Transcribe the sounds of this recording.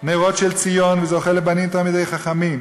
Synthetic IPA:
neiʁo̞tʃelt͡sijo̞nvezeoχelebanimt̪almid̪ejχaχamim

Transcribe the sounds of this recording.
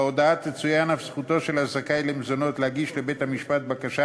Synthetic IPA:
od̪aat̪net͡sujanafsχut̪o̞ʃelazakajlemzono̞t̪lehaɡiʃlebe̞t̪hamiʃpat̪̚bakaʃa

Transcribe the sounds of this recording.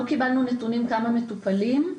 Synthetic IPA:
okibalnunet̪unimkamamet̪upalim

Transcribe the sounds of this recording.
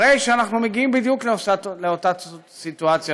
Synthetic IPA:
ejʃeanaχnumeɡiimbid̪jukleosatleot̪a | sit̪uat͡sja

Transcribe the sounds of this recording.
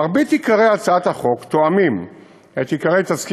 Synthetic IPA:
aʁbet̪ikaʁejalt͡saat̪haχo̞kt̪oamim | et̪ikaʁejt̪aski

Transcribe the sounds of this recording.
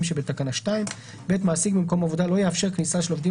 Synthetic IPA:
mʃebet̪akanaʃtaim | be̞t̪maːsiɡbimko̞mavo̞d̪alojeafʃe̞ʁknisaʃelovdi

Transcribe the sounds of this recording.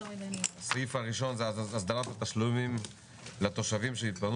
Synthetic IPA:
sifaʁiʃo̞nzeaasd̪alat̪hat̪aʃlumim | let̪o̞ʃavimʃeit̪̚ban

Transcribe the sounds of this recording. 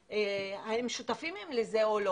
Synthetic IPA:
eahemʃut̪afimemlezeolo

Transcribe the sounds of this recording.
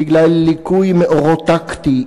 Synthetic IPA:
iɡlalːikujmeʔoʁot̪ːakt̪i

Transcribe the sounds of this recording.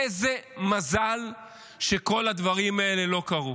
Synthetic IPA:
ezemazal | ʃe̞ko̞lad̪vaʁimae̞le̞lo̞kaʁu

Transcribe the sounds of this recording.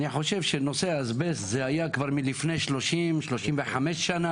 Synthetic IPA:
niħo̞ʃe̞vʃenoseazbeszeajakvaʁmilifnejʃlo̞ʃimʃlo̞ʃimveħameʃːana

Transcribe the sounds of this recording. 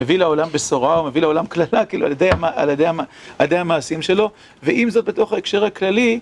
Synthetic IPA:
mevilaolambesoʁaomevileolamklalakiːlualjed̪ejamaa̰ljed̪ejhamaaled̪ejhamaːsimʃe̞lo̞ | veʔimzo̞t̪̚bet̪o̞χhaekʃe̞ʁhaklali

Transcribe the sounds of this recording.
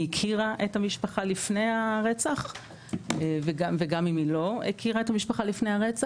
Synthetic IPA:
ikʰiʁaʔethamiʃpaχalifne̞jaʁet͡saχ | veɡaveɡamimilo̞ikʰiʁae̞thamiʃpaχalifnejhaʁet͡sa

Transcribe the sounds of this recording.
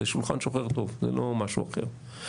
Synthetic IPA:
eʃulχa̰nʃoχeʁt̪o̞vzḛlomaʃuaχḛʁ

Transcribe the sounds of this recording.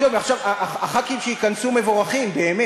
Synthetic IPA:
omaχʃavaʔaaχat̪̚kiimʃeikansume̞voʁaχimbe̞ːme

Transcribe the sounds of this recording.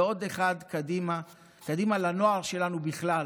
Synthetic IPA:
o̞d̪eχad̪kad̪ima | kad̪imalano̞aʁʃe̞lanubiχla

